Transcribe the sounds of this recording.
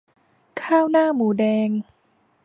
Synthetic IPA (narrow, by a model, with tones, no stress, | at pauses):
kʰaː˥˩wnaː˥˩muː˩˦dɛː˧ŋ